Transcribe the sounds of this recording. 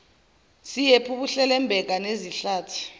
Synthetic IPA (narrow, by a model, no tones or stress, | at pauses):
sijepʰuɓuɬɛlɛmbʱɛk̬ʼaneziɬaːtʰi̥